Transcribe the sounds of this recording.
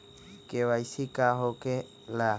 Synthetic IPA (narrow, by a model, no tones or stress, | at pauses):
keβajsikaɦoke | la